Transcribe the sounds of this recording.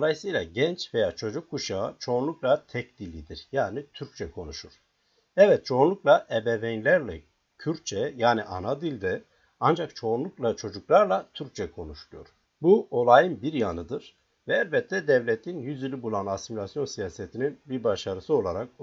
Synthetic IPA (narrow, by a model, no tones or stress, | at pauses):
d̪o̞lˠajɯsɯjlˠaɟɛnt͡ʃvejaːt͡ʃʰo̞d͡ʒukʰːuʃat͡ʃʰo̞nlˠuklˠat̪ʰɛcd̪ilʲːid̪iɾjaːnit̪ʰyɾc̚t͡ʃʰɛkʰo̞nuʃuɾ̥ | ɛvɛt̪̚t͡ʃʰo̞ːnˠuklˠaʔɛbɛvɛnlʲæɾlʲɛ | cʰyɾt͡ʃʰɛjaːniʔa̰nad̪ilʲd̪ɛ | and͡ʒakt͡ʃʰo̞nlˠuklˠat͡ʃʰo̞d͡ʒuklˠaɾlˠat̪ʰyɾc̚t͡ʃʰɛkʰo̞nuʃlˠujo̞̰ɾ | buo̞lˠajɯnbiɾjanɯd̪ɯɾ̥ | vɛɛlʲbɛt̪ʰlːɛd̪ɛvlʲɛt̪ʰinjyzilʲibulˠanasimilʲasjo̞nsijaːset̪ʰininbiɾbaʃaɾɯsɯo̞lˠaɾak̚